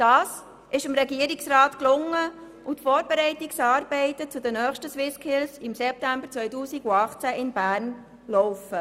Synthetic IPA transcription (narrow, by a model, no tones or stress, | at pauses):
d̥ɑːs | ʔɪʃɪmɾɛɡiəɾiksɾɑːt̪klʊŋːə | utfɔːɾbɛɾɛɪtiksɑːɾbɛɪt̪ət͡sʊd̪ənœːχʃtəswɪskʰɪlsɪmsɛp̚tæmbəɾt͡sʋœʏtuːsiɡuɑχt͡sæʔɪnbæːɾn | lɔʊfə